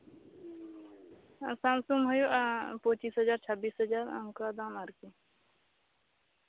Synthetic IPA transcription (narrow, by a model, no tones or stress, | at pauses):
sãːmsumɦɐjuʔpõt͡ʃiːsɦəd͡ʒaːɾt͡ʃʰəbiːsɦəd͡ʒaːɾɐ̰mkad̪aːmaɾki